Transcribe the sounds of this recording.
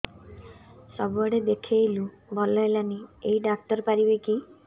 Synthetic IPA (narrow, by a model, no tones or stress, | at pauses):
sɔbɔɽed̪ekʰejlu | bʱɔlɔelanieiɖak̚t̪ɔɾpaɾibeki